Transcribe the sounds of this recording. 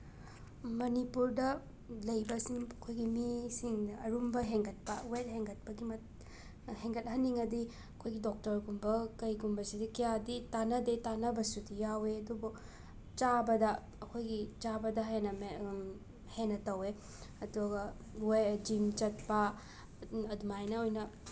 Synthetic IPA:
mɐnipuɾdɐ | lɐjbɐsiŋɐkʰojɡimisiŋɐɾumbɐɦeŋɡɐt̚pɐwet̚heŋɡɐt̚pɐɡimɐt̚ | heŋɡɐt̚ɦɐnːiŋɐdi | ɐkʰojɡidok̚tɐɾɡumbɐkɐjɡumbɐsidɐkijaditanɐdetanɐbɐsudijaweɐdubu | t͡ʃabɐdɐː | kʰojɡit͡ʃabɐdɐɦenɐme | henːɐtɐwe | ɐduɡɐ | wed͡ʒimt͡ʃɐt̚pɐ | ɐdumajnɐojnɐ

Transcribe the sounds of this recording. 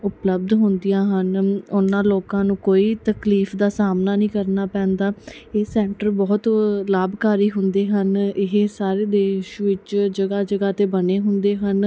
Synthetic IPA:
ʊpləb̚d̪ɦʊnd̪ɪjãːɦənʊnãːloːkãːnũːkoːiːt̪əkliːfd̪aːsaːmnaːnĩːkəɾnaːpɛ̃ːnd̪aːeːsɛ̃ːɳʈəɾbɔːt̪laːbkaːɾiːɦʊnd̪eːɦənɪɦesaːɾeːd̪eːɪʃʋɪt͡ʃd͡ʒəɡaːd͡ʒəɡaːt̪eːbəneːɦʊnd̪eːɦən

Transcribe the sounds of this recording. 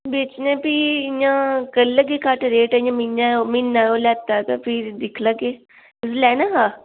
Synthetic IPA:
beːt͡ʃnẽːpiɪjãːkəlːəɡekaʈɾeːʈaɪjãːmɪnːaomɪnːaːoːlɛːt̪aːt̪apʰɪɾd̪ɪkʰlaːɡeː | ʊslɛːnaɦaː

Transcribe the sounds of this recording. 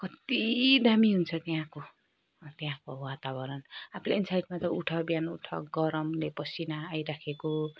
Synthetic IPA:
kʌt̪id̪ʱamiɦunt͡sʰʌt̪jãko | t̪eãkowat̪abʌɾʌnapʰleinsajʈmat͡sʌuʈʰʌbjanuʈʰʌ̰ɡʌɾʌmlepʌsinaːjɾakʰeko

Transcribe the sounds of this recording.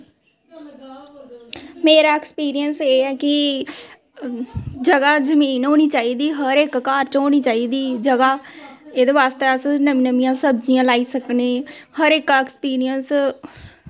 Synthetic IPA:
meːɾaːɛkspiːɾijənseːɛːkɪ | d͡ʒəɡaːzəmiːnɦoːñiːt͡ʃaːiːd̪iːɦəɾekːaːɾt͡ʃɦoːñiːt͡ʃaːiːd̪iːd͡ʒəɡaː | eːd̪eːʋaːst̪eəsnəmĩnəmijãːsəbd͡ʒijãːlaːiːsəkneːhəɾɪkɛkspiːɾijəns

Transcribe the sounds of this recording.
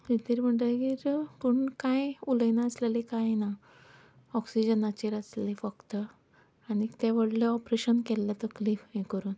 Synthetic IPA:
it̪iɾm̤əɳʈəɡiːɾpəɳkãjuləjnaəslelikajna | ɔksid͡ʑənat͡ɕiɾəslifəkt̪ə | añit̪eʋəɽleɔpɾeɕənkɛlːət̪əklifɦẽkəɾuːn

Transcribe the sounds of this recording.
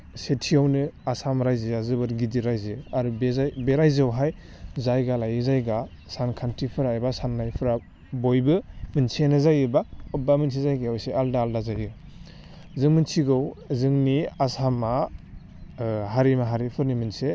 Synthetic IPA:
setʰiawnɯasamaɾajzeazɯbɯɾɡidiɾajzɯaɾubezajbeɾajzawɦaj | zajɡalajɯzajɡa | sankʰantɾipʰɯɾajbasanːajpʰɯɾa | bojbɯmɯnsenazajɯbaɔbamɯns̬ʰizajɡaɔjseʔaldaːldazajɯ | zɯŋmɯnsʰiɡawzɯŋniasama | ɦaɾimaɦaɾipʰɯɾnimɯnse

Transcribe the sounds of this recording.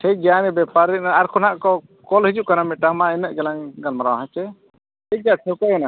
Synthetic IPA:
ʈʰɛd͡ʒanɛbɛpaɾinaɾkʰɔnaʔkɔ | kɔlhid͡ʒuʔ̚kanamɛt̪̚ʈamainəʔɡɛlaŋɡalmaɾawaɦãt͡ʃɛ | ʈʰɛd͡ʒaʈʰɔkɔɡɛna

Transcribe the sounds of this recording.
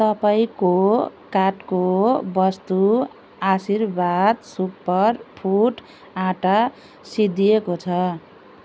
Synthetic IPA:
t̪ʌpaĩkokaʈkobʌst̪u | asirbad̪supːʌrpʰuʈ | ãʈa | sid̪ijekot͡sʰʌ

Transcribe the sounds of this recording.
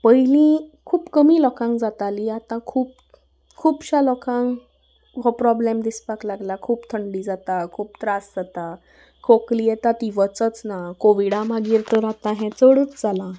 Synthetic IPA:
pəjlĩkʰuːpkəmilɔkãŋkd͡zat̪aliat̪ãkʰuːp̚ | kʰuːpɕalɔkãŋk | ɦɔpɾɔblemd̪ispaklaɡlakʰuːpt̪ʰəɳɖiːd͡zat̪akʰuːpt̪ɾasd͡zat̪a | kʰoklijɛt̪at̪iʋət͡sət͡snakoʋiɽãmaɡiːɾt̪əɾat̪ãɦɛ̃t͡səɽət͡sd͡zalã

